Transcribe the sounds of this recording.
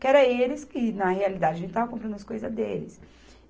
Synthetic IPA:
kɪɛɾɐelɪskɪnɐhealid̪ad͡ʒɪɐʒẽt̪ɪt̪avɐkõpɾɐ̃nd̪ʊɐskojzɐzd̪elɪs

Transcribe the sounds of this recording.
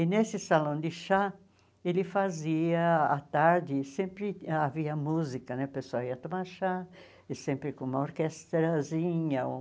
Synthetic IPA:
ɪnesɪsalõd̪ɪʃa | elɪfaziɐat̪aɾd̪ɪsẽmpɾɪaviɐmuzikɐnɛpesawiɐt̪omaʃa | sẽmpɾɪkõũmɐoɾkɛst̪ɾazĩɲɐ

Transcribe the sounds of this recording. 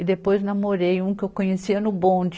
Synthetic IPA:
ɪd̪epojznamoɾejũkɪewkõɲesiɐnʊbõd͡ʒ

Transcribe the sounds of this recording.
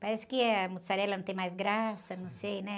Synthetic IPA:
paɾɛsɪ̥kɪɐmusaɾɛlɐnɐ̃t̪ẽj̃majzɡɾasɐnɐ̃w̃sejnɛ

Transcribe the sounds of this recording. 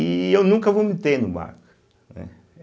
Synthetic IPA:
iewnũŋkɐvomɪt̪eɾnʊba̰ɾkʊ | nɛ̰

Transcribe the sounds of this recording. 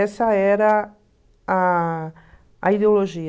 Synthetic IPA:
ɛsɐɛɾɐ | a | ɐid̪eoloʒi

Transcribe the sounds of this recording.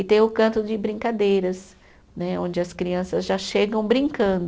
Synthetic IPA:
ɪt̪ẽj̃ʊkɐ̃nt̪ʊd͡ʒɪbɾĩŋkad̪ejɾɐs | nɛõd͡ʒɪɐskɾiɐ̃sɐzʒaʃeɡɐ̃w̃bɾĩŋkɐ̃nd̪ʊ

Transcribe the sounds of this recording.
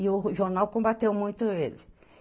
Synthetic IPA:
ɪʊʒoɾnawkõbat̪ewmũj̃t̪ʊelɪ

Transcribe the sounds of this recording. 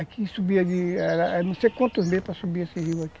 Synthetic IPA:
akʰisubiɐd͡ʒiɛɾɐɛnũsekõnt̪uzmepɾɐsubiesiɦiwaki̥

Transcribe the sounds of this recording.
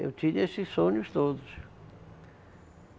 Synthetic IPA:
ḛwt̪ĩɲesɪssõɲʊst̪od̪ʊs

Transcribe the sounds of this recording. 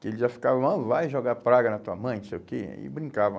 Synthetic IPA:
kɪelɪzʒafi̥kavɐ̃w̃ɐ̃vajʒoɡapɾaɡɐnɐt̪uɐmɐ̃j̃nõsejʊkḛɪ̰bɾĩŋkavɐ̃

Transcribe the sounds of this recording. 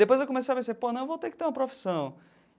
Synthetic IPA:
d̪epojzewkomesejɐpẽseɾponɐ̃w̃vowt̪ekɪ̥t̪eɾũmɐpɾofi̥sɐ̃w̃

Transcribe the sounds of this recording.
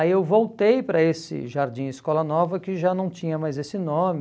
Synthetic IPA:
aiewvowt̪ejpɾɐesɪ̰ʒaɾd͡ʒĩɪskɔlɐnɔvɐkɪʒanɐ̃w̃t͡ʃĩɲɐmajzesɪnõmɪ

